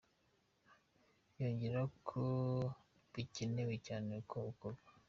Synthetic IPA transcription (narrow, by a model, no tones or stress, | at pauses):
joːɲɟiɾakʰu | biciniwicaːnekoukoβa